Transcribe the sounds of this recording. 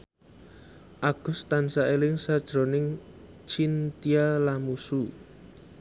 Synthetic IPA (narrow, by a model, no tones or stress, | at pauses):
ʔaɡ̥ʊ̤st̪ansaʔelɪŋsad̥ʒ̥ɾo̤nɪŋ | t͡ʃint̪ialamusu